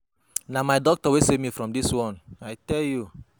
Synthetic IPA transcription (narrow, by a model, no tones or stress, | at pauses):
namaɪdɔk̚tɔwesevmifɾɔ̃mdiswɔ̃naɪtɛlju